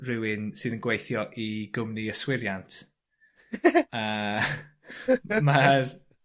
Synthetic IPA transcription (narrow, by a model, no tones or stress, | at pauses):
rɪwɪnsɨːðənɡwejθjɔʔiɡʊmniəswɪɾjantʰ | a | mar